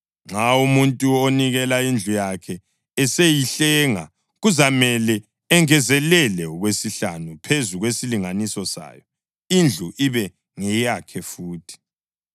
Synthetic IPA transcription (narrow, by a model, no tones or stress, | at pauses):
ŋ͡ǁaumuntʼuoniɣɛlaind͡ɮʱujakʰɛː | sejiɬɛːŋa̰ | ɣuzamɛlɛː | ŋɛzɛlɛlɛɔɣwesiɬanupʰezuɣwesiliŋanisɔsa̰ːjɔ | ind͡ɮʱuʔiβɛ | ŋɛjakʰɛfuːtʰi̥